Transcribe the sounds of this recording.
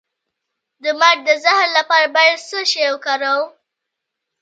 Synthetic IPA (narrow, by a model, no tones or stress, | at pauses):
d̪əmad̪əzɪhɾlapɑɾabajad̪səʃewkaɾaw